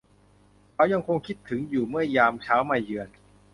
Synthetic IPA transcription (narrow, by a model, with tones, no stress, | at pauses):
kʰaː˦˥wja˧ŋkʰo˧ŋkʰi˦˥t̪ʰːɯ˩˦ŋjuː˨˩mɯ˥˩ɐjaː˧mt͡ɕʰaː˦˥wmaː˧jɯ˧ən